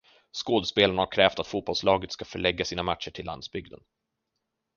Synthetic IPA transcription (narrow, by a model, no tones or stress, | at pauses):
skoːd̪speːlaɳahaɾkʰɾɛːft̪at̪fuːt̪̚bɔlslɑːɡət̪skafœɭɛɡːasiːnamat̪ɕəʈʰɪlːa̰nd̪sbʏɡ̚d̪ə̰n